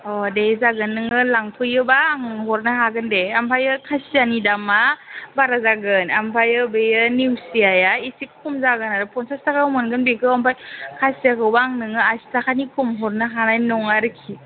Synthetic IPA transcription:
ɔdezaɡɯnːɯŋɯlaŋpʰɯjɯbaːŋɦɔɾnaɦaɡɯndeampʰajɯkʰasianidamabaɾazaɡɯnampʰajɯbɯjɯniwsiajaisikkʰumzaɡɯnaɾɯpʰɔnsastakawmɯnɡɯnbikʰɯampʰajkʰasijakʰɯwbaŋnɯŋɯastakʰanikʰumɦɔɾnɯɦanajnɔŋaɾɯkʰi

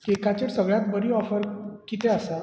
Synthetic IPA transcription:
kekʰat͡ɕeʈsəɡɭjat̪̚bəɾiːɔfəɾkit̪easa

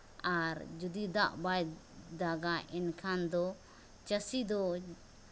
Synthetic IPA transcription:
aɾd͡ʒud̪id̪aʔbaj | d̪aɡaʔɛnkʰand̪ɔ | t͡ʃəsid̪ɔ

